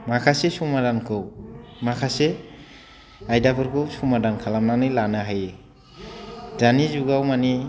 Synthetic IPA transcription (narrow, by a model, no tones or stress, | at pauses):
makʰasesumadankʰɯwmakʰase | ajdabɯɾkʰɯwsumadankʰalamnanɯjlanaɦaje | d̥anizuɡawmani